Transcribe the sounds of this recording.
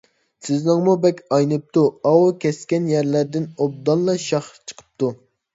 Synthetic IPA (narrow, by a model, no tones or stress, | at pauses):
sɪznɨŋmubɛkʲɑjnɨp̚t̪uɑwkʲɛskʲɛnjɛɾlæɾd̪ɪnob̚d̪ɑnˠlːˠɑʃɑχt͡ʃʰə̥qʰə̥p̚t̪u